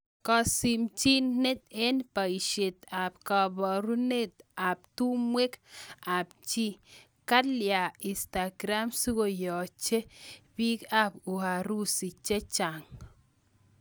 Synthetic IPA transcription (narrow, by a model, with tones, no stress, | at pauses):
kɔ˨si˨mt͡ʃi˦nne˦t̪̚e˦npa˨i˨ʃe˨t̪a˨b̚ka˨bɔ˨ɾu˦ne˦t̪a˨p̚tu˦mwe˦ka˨b̚t͡ʃi˦ | ka˦lja˨i˨sta˨ɡɾa˦msu˦ɡo˨jɔ˨t͡ʃe˦bi˦ka˦bu˨ha˨ɾu˦si˨t͡ʃe˦t͡ʃa˨ŋ